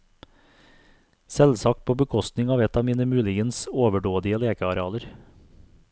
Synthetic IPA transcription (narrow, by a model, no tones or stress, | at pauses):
sɛlsɑkt̪̚pʰoːbəkʰɔst̪nɪŋɑːʋɛt̪ʰɑːmiːnəmʉːlɪɡənsoːʋəɖoːd̪ɪəleːkəɑɾɛɑːləɾ